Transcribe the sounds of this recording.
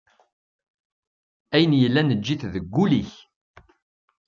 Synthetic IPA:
æjənjəlːænəd͡ʒːiθðəɡʷːuliç

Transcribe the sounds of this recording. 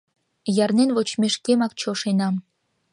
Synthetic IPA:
jɑrnenβot͡ɕmeʃkemɑk̚t͡ɕoʃenɑm

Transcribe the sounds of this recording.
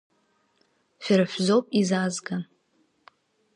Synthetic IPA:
ʃʷᶣaɾaħʷzo̞wpʼizazɡa

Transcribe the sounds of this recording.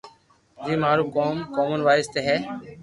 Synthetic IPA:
d͡ʒiːmaːɾuːkoːmkoːmənʋaːɪst̪eːɦɛː

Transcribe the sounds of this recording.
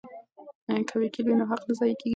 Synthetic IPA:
kʰawekilinoɦaqnazɑjkeɡ

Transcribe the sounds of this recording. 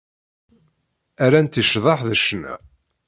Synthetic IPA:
æɾænt̪iʃðˤɑħðəʃnæ̰

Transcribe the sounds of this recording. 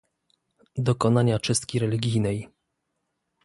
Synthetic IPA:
d̪ɔkɔnaɲat͡ʂɘst̪kʲiɾɛlʲiɡʲijnɛj

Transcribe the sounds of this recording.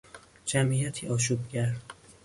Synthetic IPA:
d͡ʒæmʔiːjæt̪ʰiːɒːʃ̬uːbɟæɾ

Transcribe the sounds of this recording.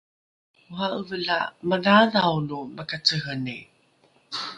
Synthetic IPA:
uɦaʔəvəla̰maðaðawluməkat͡səɦəni

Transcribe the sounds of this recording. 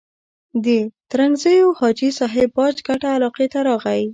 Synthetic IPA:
d̪ət̪ɾanzəjohɑd͡ʒisɑɦebpɑd͡ʒɡaʈaːlɑqet̪aɾɑɣawi

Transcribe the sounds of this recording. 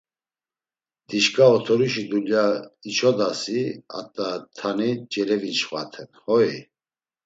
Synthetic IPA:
d̪̥iʃkʼaɔt̪ʰɔɾuʃid̪uljait͡ʃʰɔd̪asia̰t̪ʼat̪ʰanid͡ʒɛɾɛvinʃvat̪ʰɛnhɔi

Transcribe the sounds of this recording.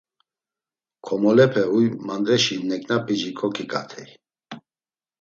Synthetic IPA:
kʰɔmɔlɛpʰɛujmand̪ɾɛʃinɛkʼnapʼiʒikʰɔkʰikʼa̰t̪ʰɛj

